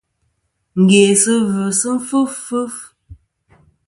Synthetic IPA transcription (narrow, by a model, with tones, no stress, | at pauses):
ŋ̩˨ɡe˨sɨ˦və˨sɨ˦m˦fu˦fʉ˦f